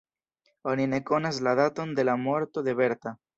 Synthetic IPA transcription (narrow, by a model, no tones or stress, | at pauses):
oninekonazlaðat̪ond̪elamweɾt̪oðeβeɾt̪a